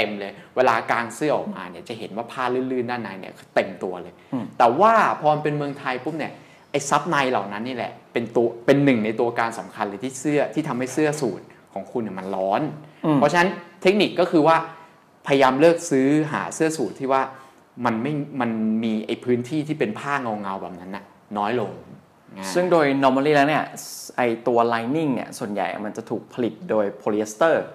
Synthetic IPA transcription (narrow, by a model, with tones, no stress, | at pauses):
t̪e˧mlɤː˧jweː˧laː˧kaː˧nsɯ˥˩ɐʔɔ̰ː˨˩k̚maː˧ni˦˩ɐt͡ɕa˨˩ɦe˩˦nwaː˥˩pʰaː˥˩lɯː˥˩nlɯː˥˩ndaː˥˩nːaː˧jnḭ˥˩ɐkʰːt̪e˧mt̪u˧ɐlɤː˧jt̪ɛː˨˩waː˥˩pʰɔː˧ma˧npe˧nmɯ˧əŋt̪ʰa˧jpʰu˦˥˩p̚ni˦˥˩ɐ | ʔa˧jsa˦˥p̚na˧jla˨˩wna˦˥nːiː˥˩lɛ̰˨˩pe˧nt̪u˧ɐpe˧nːɯ˨˩ŋna˧jt̪u˧ɐkaː˧nsa˩˦mkʰa˧nlɤː˧jt̪ʰiː˥˩sɯ˥˩ɐt̪ʰiː˥˩t̪ʰa˧mha˥˩jsɯ˥˩ɐsuː˨˩t̪̚kʰɔː˩˦ŋkʰu˧nːi˨˥˩ma˧nlɔː˦˥npʰɔ˦˥t͡ɕʰna˦˥nt̪ʰe˦˥k̚ni˨˩kːɔː˥˩kʰɯː˧waː˥˩ | pʰa˧ja˧jaː˧mlɤː˥˩k̚sɯː˦˥ɦa̰ː˩˦sɯ˥˩ɐsuː˨˩t̪ʰːiː˥˩waː˥˩ | ma˧nma˥˩jma˧nmiː˧ʔa˧jpʰɯː˦˥nt̪ʰiː˥˩t̪ʰiː˥˩pe˧npʰaː˥˩ŋa˧wŋa˧wbɛ̰ː˨˩p̚na˦˥nːa˨˩ | nɔː˦˥jlo˧ŋ | sɯ˥˩ŋdoː˧jnɔ˦˥maː˧liː˥˩lɛ˦˥ni˥˩ɐʔa˧jt̪u˧ɐlaː˧jni˥˩ŋnḭ˥ɐsu˨˩ənja̰˨˩jʔa̰˨˩ma˧nt͡ɕa˨˩t̪ʰuː˨˩k̚pʰa˧li˨˩t̪̚doː˧jpʰoː˧le˦˥st̪ɤː˥˩